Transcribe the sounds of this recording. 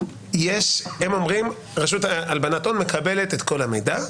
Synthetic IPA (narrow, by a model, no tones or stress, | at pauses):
jeʃhemo̞mʁim | ʁaʃutaalbanat̪onme̞kabe̞let̪et̪ko̞lamejda